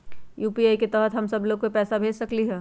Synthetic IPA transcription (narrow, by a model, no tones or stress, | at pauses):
juːpiaːiket̪ɛːɦət̪ɦɐmsɐbloːɡpepɛːsabʱeːd͡ʒsɐkliɦɛː